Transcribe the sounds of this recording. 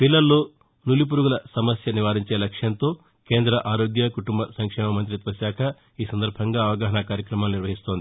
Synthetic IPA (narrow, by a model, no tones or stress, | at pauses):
pilːɐlːoː | nulip̬uɾuɡulɐsɐmɐsjɐniʋaːɾiɲt͡ʃe̞ːlɐkʂjɐnt̪o̞ː | ke̞ːnd̪ɾɐʔaːɾoːɡjɐkuʈumbɐsɐŋkʂɛːmɐmɐnt̪̬ɾit̪ʋɐsjaːkʰɐ | iːsɐnd̪ɐɾbʱɐŋɡaːɐʋɐɡaːɦɐnakaːɾjɐkɾɐmaːluniɾʋɐɦist̪o̞ːnd̪ii